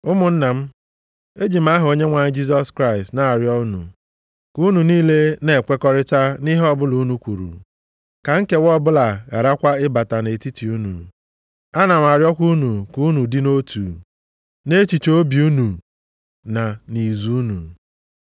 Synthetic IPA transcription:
ʊ˦mʊ˨n̩˦na˨m̩˦ | e˦d͡ʒi˨m̩˦a˦ɦo˨ɲe˦ŋʷa˨ɲ˦d͡ʒi˦s̬ɔ˦skɾa˦ɪ˨stna˨a˨ɾjɔ˦nṵ˨ | ku˦nu˨niː˦le˦ne˨kʷe˦kɔ˦ɾɪ˦ta˦ni˦ɦɔ˦bʊ˦lu˨˦nu˨kʷu˨ɾṵ˨ | ka˨ŋ̩˦ke˦wɔ˦bʊ˦la˨ɣa˨ɾa˦kʷa˦ɪ˦ba˨ta˨ne˨ti˦ti˨u˦nṵ˨ | a˦na˨m˨a˨ɾjɔ˦kʷu˦nu˨ku˨˦nu˨dɪ˦no˦tʰṵ˨ | ne˦t͡ʃi˨t͡ʃo˦bi˨u˦nu˨ | na˨ni˨zu˦u˦nṵ˨

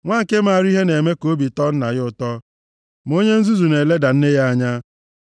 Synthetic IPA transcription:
ŋʷaː˦ŋ̩˨ke˦ma˨ɾi˦ɦe˦ne˨me˦ko˨˦bi˨tɔ˦n̩˦na˨ɣɪ˦ʊ˨tɔ˦ | m˨o˦ɲe˦n̩˦zu˦zu˨ne˨le˦da˨n̩˦ne˦ja˦a˦˨ɲa˦

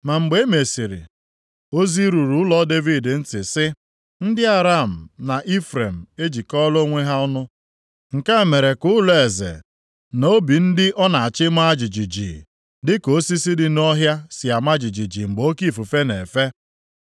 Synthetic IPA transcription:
ma˨ŋ͡m̩˨ɡ͡be˦me˨si˨ɾḭ˨ | o˦zi˦ɾu˨ɾu˨ʊ˦lɔ˦de˦vi˨dn̩˦tɪ˨sɪ˦ | n̩˦dɪ˦a˨ɾa˦˨m̩˨na˨ʔi˦fɾe˨m̩˨e˦d͡ʒi˨kɔ˦lo˦ŋʷe˦ɦa˦ʊ˦nʊ˦ | ŋ̩˨ka˦e˨me˨ɾe˨kʊ˦le˨zḛ˨ | n˨o˦bi˨n̩˦dɪ˦ʔɔ˦na˨a˨t͡ʃɪ˦ma˦˨d͡ʒi˨d͡ʒi˨d͡ʒḭ˨ | dɪ˦ko˨˦si˦si˦dɪ˦n˦ɔ˦ɦja˦sɪ˨a˨ma˦d͡ʒi˨d͡ʒi˨d͡ʒi˨ŋ͡m̩˨ɡ͡bo˦ki˦˨fu˨fe˦ne˨fe˦

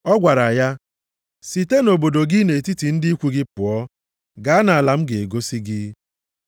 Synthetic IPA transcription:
ɔ˦ɡʷa˨ɾa˨ja˦ | si˨te˦no˨bo˨do˨ɡɪ˦ne˨ti˦ti˨n̩˦dɪ˦i˦kʷu˦ɡɪ˦pʊ˨ɔ˦ | ɡa˨˦na˨a˨la˨m̩˦ɡe˨e˨ɡo˦si˦ɡɪ˦

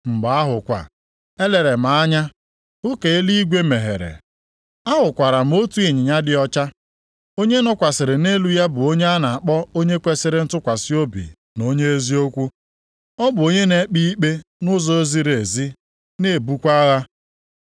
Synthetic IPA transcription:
m̩˨ɡ͡ba˨a˦ɦʊ˨kʷa̰˨ | e˦le˨ɾe˨m̩a˨a˦ɲa˦ | ʊ˦ke˨e˦li˦i˦ɡʷe˦me˨ɦḛ˨ɾḛ˨ | a˦ɦʊ˨kʷa˨ɾa˨m̩˦o˦tu˦i˨ɲɪ˨ɲa˦dɪ˦ɔ˦t͡ʃa˦ | o˦ɲe˦nɔ˦kʷa˨sɪ˨ɾɪ˨ne˦lu˦ja˦bʊ˨o˦ɲe˦a˦na˨a˨k͡pɔ˦o˦ɲe˦kʷe˦sɪ˦ɾɪ˨n̩˦tʊ˦kʷa˨si˦o˦bḭ˨ | no˦ɲe˦e˦zi˦o˦kʷu˦ | ɔ˦bʊ˨o˦ɲe˦ne˨˦k͡pi˦i˦k͡pe˦nʊ˦zɔ˦e˦zi˦ɾe˨zi˦ | ne˦˨bu˦kʷa˦ɣa˦

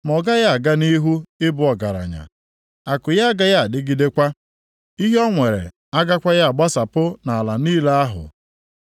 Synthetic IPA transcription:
m˨ɔ˨ɡa˦ja˦a˨ɡa˦ni˦ɦu˦ɪ˦bʊ˦ɔ˨ɡa˨ɾa̰˨ɲa̰˨ | a˨kʊ˨ja˦a˦ɡa˦ja˦a˨dɪ˦ɡi˦de˦kʷa˦ | i˦ɦɔ˦ŋʷe˨ɾḛ˨ | a˦ɡa˦kʷa˦ja˦a˨ɡ͡ba˦sa˨pʊ˦na˨a˨la˨niː˦le˦a˦ɦʊ̰˨

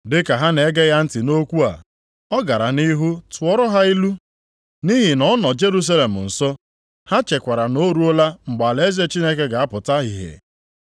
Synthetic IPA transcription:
dɪ˦ka˨ɦa˦ne˨˦ɡe˦ja˦n̩˦tɪ˨no˦kʷu˦a̰˨ | ɔ˦ɡa˨ɾa˨ni˦ɦu˦tʊ˨ɔ˦ɾɔ˦ɦa˦i˦lu˦ | ni˦ɦi˨nɔ˦nɔ˨d͡ʒe˦ɾu˦s̬a˦le˨m̩˨n̩˨sɔ˦ | ha˦t͡ʃe˨kʷa˨ɾa˨no˦ɾu˦o˦la˦ŋ͡m̩˨ɡ͡ba˨le˦ze˦t͡ʃi˦ne˦ke˦ɡa˨a˦pʊ˨ta˦ɦi˨ɦḛ˨

